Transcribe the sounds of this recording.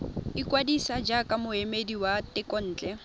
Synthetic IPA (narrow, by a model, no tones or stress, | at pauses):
ikʼwadisad͡ʒakʼamʊemediwatɪkʼɔn̩ːt͡ɬʼɛ